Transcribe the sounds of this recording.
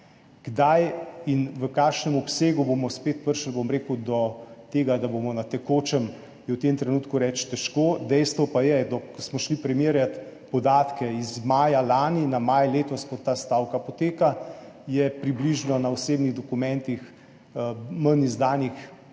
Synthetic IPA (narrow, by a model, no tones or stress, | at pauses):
ɡ̥d̪ajinʋəkaːkʃnɛmɔpseːɡubomɔspeːt̪pəɾʃəlbomɾekwd̪ɔt̪eːɡad̪abomɔnat̪ɛkoːt͡ʃɛm | jɛwt̪emt̪ɾɛnuːt̪kuɾɛt͡ʃt̪ɛʃkoːd̪ɛjst̪ʋɔpajɛd̪ɔkkɔsmɔʃlipɾɛmeːɾjat̪pɔd̪aːt̪kɛizmaːjalaːninamajleːt̪ɔskɔt̪ːaːst̪aːwkapɔt̪eːka | jɛpɾibliʒnɔnaɔseːbniɣd̪ɔkumɛ̃nt̪ix | mənizd̪aːnix